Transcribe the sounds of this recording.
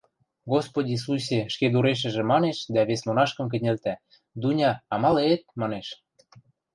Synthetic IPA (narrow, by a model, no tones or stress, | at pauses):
ɡospodʲis̬us̬ʲeʃked̪uɾeʃ̬ə̆ʒĕmɑneʃd̪æβesmonɑʃkə̆mk̬ɘ̆nʲelt̪æ | d̪unʲɑːmɑlet̪̚mɑneʃ